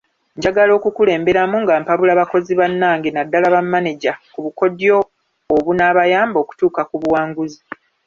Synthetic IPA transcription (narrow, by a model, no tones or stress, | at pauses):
ɲɟaɡalo̞ːkukule̞ːmbe̞ɾamuŋɡaːmpaβulaβako̞ziβanːaːŋɡenadːalaβamːaneɟakuβuko̞djo̞ː | βunaːβajaːmbo̞ːku̥tuːkakuβuwaːŋɡuzi